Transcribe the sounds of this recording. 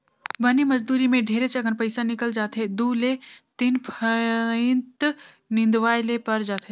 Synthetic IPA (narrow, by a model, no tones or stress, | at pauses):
bəniməd͡ʒd̪uːɾimẽɖʱeːɾet͡ʃɐɡənpəɪsanɪkəld͡ʒaːt̪ɦed̪uːlet̪inpʰəɪnt̪ | nɪ̃nd̪ʋaːjlepɐɾd͡ʒaːt̪ɦe